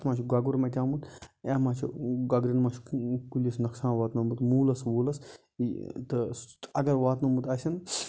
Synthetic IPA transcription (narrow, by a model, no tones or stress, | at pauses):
t̪mãːt͡ʃʰiɡaɡuɾmɐt̪ʲãːmut̪aːmaːt͡ʃʰḭɡɐɡɾinmat͡ʃʰkulʲɐsnɐksãːnʋaːt̪nɐmut̪muːlɐsʋoːlɐs | it̪ɨɐɡɐɾʋaːt̪mɐmut̪ɐsʲɐn